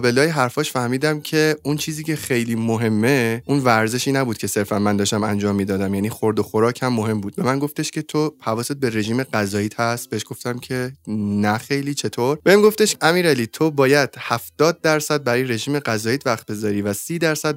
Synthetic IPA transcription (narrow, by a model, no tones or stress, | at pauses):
be̞lɒːjeɦæɾfɒːʃfæhmiːd̪æmcʰe̞unt͡ʃʰiːziːcʰexe̞jliːmoɦe̞mːe̞ʔunvæɾze̞ʃiːnæbuːd̪̚cʰese̞ɾfænmænd̪ɒːʃt̪æmænd͡ʒɒːmːiːd̪ɒːd̪æmjæniːxoɾd̪oxoɾɒːcʰhæmːoɦe̞mbuːd̪̚be̞mænɡo̞ft̪eʃcʰʲe̞t̪ʰohævɒːsebe̞ɾe̞ʒiːmeɢæzɒːjiːt̪ʰhæst̪̚beeʃɡ̥o̞ft̪æmcʲʰe̞næxejliːt͡ʃʰe̞t̪ʰoɾb̥eimɡo̞ft̪eʃæmiːɾæliːt̪ʰobɒːjæd̪̥hæft̪ɒːd̪̚ːæɾsæd̪̚bæɾɒːjeɾe̞ʒiːmeɡæzɒːjiːt̪ʰvæxt̪̚be̞zɒːɾiːvæsiːd̪æɾsæd̪̚